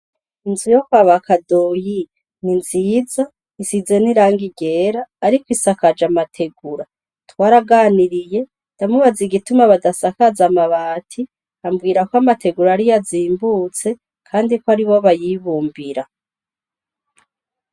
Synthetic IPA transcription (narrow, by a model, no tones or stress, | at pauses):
inzujokwaβakadoji | ninziːza | isize̞niɾaːŋɡiɡe̞ːɾaːɾikwisakad͡ʒamatʰe̞ɡuɾa | twaːɾaɡaːniɾije̞ | nd̥amuβaziɡitumaβadasakazamaβaːtʰi | ambɡiːɾakwamatʰe̞ɡuɾaɾijaziːmbut͡se̞ | kʰaːndikwaɾiβo̞βajiβuːmbiɾa